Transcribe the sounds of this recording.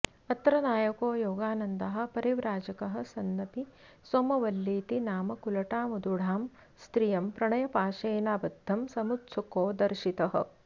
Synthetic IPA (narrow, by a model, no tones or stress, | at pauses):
ɐt̪ɾɐnaːjɐkoːjoːɡaːnɐnd̪ɐɦɐ̆pɐɾiʋɾaːd͡ʒɐkɐɦɐ̆sɐnːɐt̪i | swɐmɐʋɐlːiːt̪inaːmɐkulɐʈaːmud̪uɽ̤aːm | st̪ɾijɐmpɾɐɳɐjɐpaːʃeːnaːbɐd̪ʱːɐmsɐmut̪sukoːd̪ɐɾʃit̪ɐɦɐ̰̆